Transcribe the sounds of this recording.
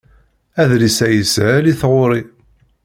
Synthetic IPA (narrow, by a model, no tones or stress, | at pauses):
æðlisæjəsʕæliθʁʊɾˤi